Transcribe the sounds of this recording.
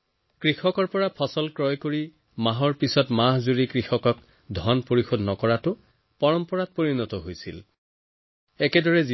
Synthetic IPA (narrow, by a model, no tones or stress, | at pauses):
kɹixɔkɔɹpɔɹapʰɔsɔlkɹɔjkoɹi | maɦɔɹpisɔtmaɦzuɹikɹixɔkɔk | dʱɔnpoɹixodʱnɔkɔɹatʊ | pɔɹɔmpɔɹat̚poɹinɔtɔɦojsḭl | ɛkɛdɔɹɛz